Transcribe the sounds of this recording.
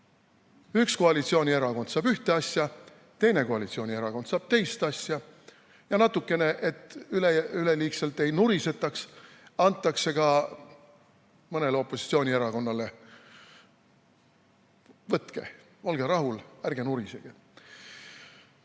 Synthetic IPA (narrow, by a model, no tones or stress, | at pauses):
yksko̞ɑlit̪sio̞ːnʲie̞ɾɑko̞nd̪sɑːb̥yht̪e̞ɑsjɑ | t̪e̞jne̞ko̞ɑlit̪sio̞ːnʲie̞ɾɑko̞nd̪sɑːb̥̚t̪e̞jst̪ɑsjɑ | jɑnɑt̪ːukːˑe̞ne̞ʔe̞t̪ːˑyleyleliːkse̞lt̪e̞jnuɾise̞t̪ːˑɑks | ɑnt̪ˑːɑkse̞ɡ̥ɑ | mɤne̞leo̞pːˑo̞si̥t̪sio̞ːnʲieɾɑko̞nːɑle̞ | vɤt̪ke̞̰ | olɡ̥eɾɑɦulærɡ̥e̞nuɾiseɡ̥e